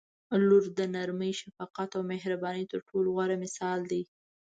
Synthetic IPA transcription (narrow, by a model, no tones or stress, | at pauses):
luɾd̪ənaɾməjʃafɑqat̪awmehɾabɑnəjt̪əɾʈʰolɣwaɾamɪsɑld̪ij